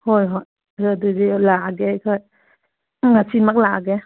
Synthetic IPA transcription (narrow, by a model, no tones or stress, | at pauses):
hojɦoj | aduzilaɡekʰɔj | ŋasimak̚laɡe